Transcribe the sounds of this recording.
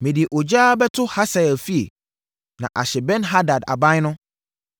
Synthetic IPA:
mɪ̃˨di˨e˨ʔɔ˨d͡ʑaː˦bɛ˦tʰʊ˦ha˦sa˨ɛ˨lfi˦ḛ˨ | nã̰˨ʔa˨ɕɛ˨bɛ̃˦nɦa˦da˨da̰˨bã˦ɲ˦nʊ̃˦

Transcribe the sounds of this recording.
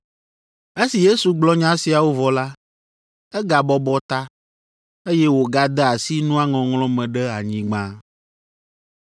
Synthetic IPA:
e˦si˨je˦su˨ɡ͡blɔ˦ɲã˦si˨a˨wo˦vɔ˨la˦ | ɛ˦ɡa˨bɔ˦bɔ˦t̪a˦ | e˦je˦wo˨ɡa˦d̪ɛ˦a˨si˦nũ˦a˦ŋɔ̃˨ŋlɔ̃˦mɛ̃˨ɖɛ˦a˨ɲĩ˨ɡ͡bã˦

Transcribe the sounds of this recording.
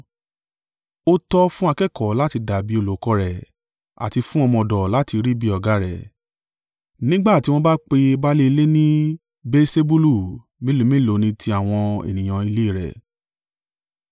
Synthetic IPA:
o˦tɔ˦fũ˦a˧kɛ˦˨kɔ˨˦la˦ti˧da˨bi˨˦o˧lo˨kɔ˧ɾɛ˨ | a̰˨ti˧fũ˦ɔ˧mɔ̃˧˨dɔ˨la˨˦ti˧ɾi˦bi˦ɔ˨ɡa˨˦ɾɛ˨ | nĩ˦ɡ͡ba˦˨ti˧w̃ɔ̃˧ba˦k͡pe˧ba˦le˦i˧le˦nĩ˦ | be˦se˦bu˦lu˦˨ | mĩ˦lo˧˦mĩ˦lo˨˦nĩ˧tʰi˧a˦˨w̃ɔ̃˧ḛ˨nĩ˨j̃ã˧i˧le˦i˦˨ɾɛ̰˨

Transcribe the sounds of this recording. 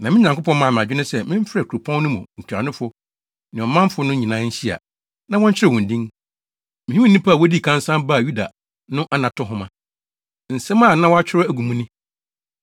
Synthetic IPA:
nã˨mɪ̃˦ɲ˨ã˨ŋkʰʷo˦pʰɔ̃˦nmã˨mɪ̃˨a˨d͡ʑᶣɪ˦nʊ̃˦sɛ˦mɪ̃˦m˦fɪ˦ɾɛ˨kʰu˨ɾu˨pʰɔ̃˦n˦nʊ̃˦mũ˨ŋ̩˨kʰa˨nʊ̃˦fʊ˦ | nɪ̃˨ɔ˨mã˦m˦fʊ˦nʊ̃˦ɲĩ˨nã˦ɲ̩˦ɕi˦a̰˨ | nã˦wɔ̃˦ɲ̩˦t͡ɕʰɪ˦ɛ˨ʊ̃˨n̩˨dĩ˦ŋ | mɪ̃˨ĩ˦u˦nĩ˦pʰa˦˨wɔ˦di˦˨kʰã˦n˦sã˦mba˦˨ju˦da˨ | nʊ̃˦ʔa˦nã˨tʰʊ˦ɦʊ̃˦mã˨ | n̩˨sɛ˦mã˦˨nã˦wɔ˦a˦t͡ɕʰᶣɪ˦ɾɔ˦æ˦˨ɡu˨mũ˦nɪ̃˦

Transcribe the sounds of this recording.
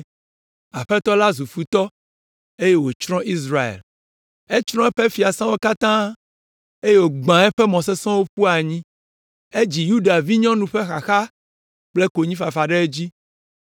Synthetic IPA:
a˨ɸɛ˦t̪ɔ˦la˦zu˨fu˨t̪ɔ˦ | e˦je˦wo˨t͡ʃɾɔ̃˦ʔi˦s̬ɾa˨ḛ˨l | e˦t͡ʃɾ̃ɔ̃˦ɛ˦ɸɛ˦fi˨a˨sã˦wo˦ka˦t̪ã˦ | e˦je˦wo˨ɡ͡bã˨˦ɛ˦ɸɛ˦mɔ̃˨s̬ɛ˦sɔ̃˦wo˦ɸu˦a˨ɲĩ˦ | e˦d͡ʑi˨ju˦ɖa˨vi˦ɲɔ̃˦nũ˨ɸe˦xa˨xa˦ | k͡plɛ˦ko˨ɲĩ˦fa˨fa˨ɖɛ˦e˦d͡ʑi˦

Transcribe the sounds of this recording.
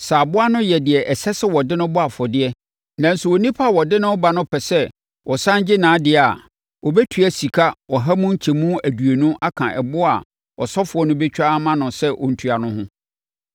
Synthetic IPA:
saː˨bʊ˦a˦nʊ̃˦jɛ˨dɪ˨ɛ˨ʔɛ˨sɛ˦sɪ˦wɔ˨dɪ˦nʊ̃˦bʊ˦a˨fɔ˨dɪ˦ɛ˦ | nã˨n̩˨sʊ˨wo˨nĩ˦pʰa˦˨wɔ˨dɪ˦nʊ̃˦ba˨nʊ̃˦pʰɛ˨sɛ˦ | wɔ˨sã˦nd͡ʑɪ˦nãː˨˦dɪ˨a˨ | wɔ˨bɛ˦tʰɥæ˨si˨kʰa˦wɔ˨ɦa˦mũ˦ɲ̩˦t͡ɕʰɛ˨mũ˦æ˨du˨e˨nũ˦ʔa˦kʰã˨ʔɛ˨bʊ˦a˨ | ɔ˨sɔ˦fʊ˨ɔ˦nʊ̃˦bɛ˦t͡ɕᶣa˦mã˦nʊ̃˨sɛ˦ʔɔ̰˨n̩˨tʰu˨a˨nʊ̃˦ɦʊ̃˦

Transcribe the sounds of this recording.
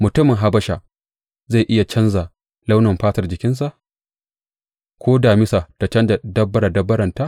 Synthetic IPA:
mʊ˨tʊ˦mɪ˨ŋɦa˦bɐ˦ʃa˨ʔ | za˦˨jʔɪ˦ja˨t͡ʃɐ˦nza˨ | la˦wnɐ˨mɸaː˦tɐ˨rd͡ʒɪ˨kʲɪ˦ns̬a˨ʔ | kʷʰoː˦daː˨mɪ˦sa˨da˨t͡ʃɐ˦nda˨dɐ˦bːɐ˦ɽa˨dɐ˦bːɐ˦ɾɐ˨nta˦ʔ

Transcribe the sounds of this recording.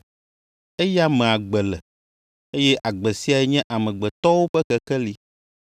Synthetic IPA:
e˦ja˦mɛ̃˨a˨ɡ͡bɛ˨lɛ˨ | e˦jɛ˦ʔa˨ɡ͡bɛ˨si˦a˨ɛ˦ɲɛ̃˦ʔa˨mɛ̃˨ɡ͡bɛ˨t̪ɔ˦wo˦ɸɛ˦kɛ˦kɛ˦li˦

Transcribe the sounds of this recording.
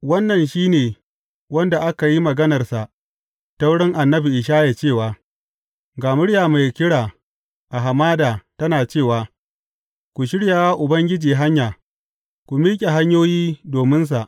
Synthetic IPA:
wɐ˦nːɐ˨nʃiː˦neː˨ | wɐ˦nda˨ʔa˦ka˨ji˦mɐ˨ɡɐ˦nɐ˨rsa˨ʔ | ta˦wʊ˦ɽɪ˦ŋʔa˨nːɐ˦bi˨ʔɪ˨ʃ̬aː˦ja˨t͡ʃeː˦˨waː˨ | ɡaː˨mʊ˦ɽjaː˨ma˨jkʲɪ˦ɽaː˨ | ʔa˨ɦa˨maː˦daː˨tɐ˦naː˨t͡ʃeː˦˨waː˨ | kʷu˨ʃ̬ɪ˦ɽja˨waː˦ʔʊ˨bɐ˦ŋɡʲɪ˦d͡ʒiː˨ɦa˦ɲjaː˨ | kʷu˨miː˦kʲʼe˨ɦa˦ɲjoː˦jiː˦doː˨mɪ˦ns̬a˨ʔ

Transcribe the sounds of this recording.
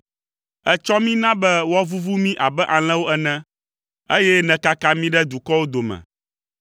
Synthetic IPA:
ɛ˦t͡ʃɔ˦mĩ˦nã˦bɛ˦wɔ˦vu˦vu˦mĩ˦ʔa˨bɛ˦ʔa˨l̃ɛ̃˦wo˦ɛ˨nɛ̃˦ | e˦jɛ˦nɛ̃˨ka˦kã˦mĩ˦ɖɛ˦d̪u˨kɔ˦wo˦d̪o˨mɛ̰̃˨

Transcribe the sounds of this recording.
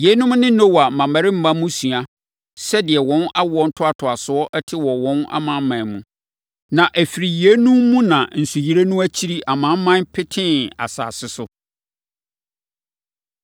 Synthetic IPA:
je˦nʊ̃˦mnɪ̃˦nɔ̃˦wa˨mã˨ma˨ɾɪ˦m̩˦˨bã˦mũ˦su˨a˨ | sɛ˦dɪ˨ɛ˨wɔ̃˦na˦wɔ˦n̩˦tʰʊ˦a˨tʰʊ˨a˨sʊ˨ɔ˦ʔɛ˦tʰɪ˦wɔ˨wɔ̃˦na̰˦mã˦mã˨mũ˨ | nã˨ʔæ˨fi˨ɾi˨ji˨e˦nũ˦mːũ˦nã˨n̩˨su˨ji˦ɾe˦nũ˦æ˦t͡ɕʰi˦ɾi˦ʔa˨mã˦mːã˦npʰɪ˦tʰɪ̃˦na̰˨sa̰ː˨sɪ˦sʊ˦

